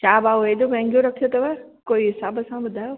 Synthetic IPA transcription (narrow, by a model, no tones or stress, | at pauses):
t͡ɕaːbaːoeːɗõmɛ̃ːŋɡijõɾɐkʰijot̪ɐʋɛkoːiɦɪsaːbəsãɓʊd̪ʱaːjoː